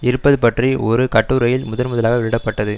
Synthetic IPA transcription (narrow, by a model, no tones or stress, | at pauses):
ɪɾɯpːɐðɯpɐʈriʔɔɾɯkɐʈːuːɾɐjɪlmʊðɐlmʊðɐlaːɣɐʋɪɻɪɽɐpːɐʈːɐðɯ